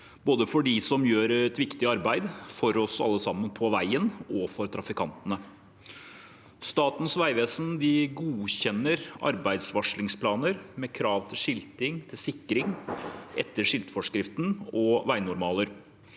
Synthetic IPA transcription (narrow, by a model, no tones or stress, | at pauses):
boːd̪əfɔɖɪsɔmjøːɾɛt̪ʋɪkt̪ɪɑɾbæɪd̪fɔɾɔsɑ̰lːəsɑmːənpʰɔʋæɪənɔfɔɾt̪ʰɾɑfɪkʰɑnt̪ənə | st̪ɑːt̪n̩sʋæɪʋeːsnd̪ɪɡuːçɛnːəɾɑ̰ɾbæɪd̪sʋɑʂɭɪŋspʰlɑːnəɾmɛkʰɾɑːʋt̪ʰɪlʂɪlt̪ɪŋt̪ʰɪlsɪkːɾɪŋʔɛ̰t̪ːəʂɪlt̪fɔʂkɾɪft̪n̩ɔʋæɪnʊɾmɑːləɾ